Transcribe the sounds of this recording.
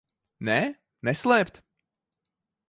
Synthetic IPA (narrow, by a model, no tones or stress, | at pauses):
nɛː | nɛslˠɛːpt̪